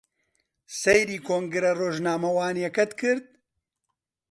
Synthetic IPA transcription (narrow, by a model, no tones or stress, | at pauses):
sejɾiːkʰoːŋɡɨɾɐroːʒnaːmɐwaːnijɐkɐt̪kʰɨɾd̪̚